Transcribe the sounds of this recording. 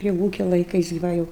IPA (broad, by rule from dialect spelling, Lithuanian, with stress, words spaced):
pʲrʲiɛ ˈʋuːkʲɛ lˠɐɪˈkɐɪs ɡʲɪ ˈʋɐ jɛʊ